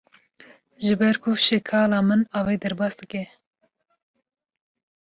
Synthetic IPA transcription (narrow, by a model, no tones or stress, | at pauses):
ʒɨbɛɾkʰʊfʃɛkʰɑːlɑːmɨnɑːweːd̪ɛɾbɑːsd̪ɨkɛ